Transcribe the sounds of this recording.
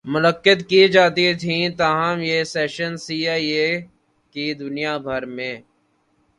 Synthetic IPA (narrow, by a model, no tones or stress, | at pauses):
mʊləkːət̪kid͡ʒaːt̪it̪ʰĩt̪aːɦəmjeseːʃənsiːaːie | kid̪ʊnijabʱɐɾmẽː